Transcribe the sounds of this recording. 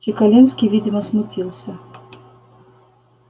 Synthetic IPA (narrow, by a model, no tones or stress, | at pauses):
ikalʲinskʲivʲid͡zʲimɐsmut͡sʲilˠsʲɐ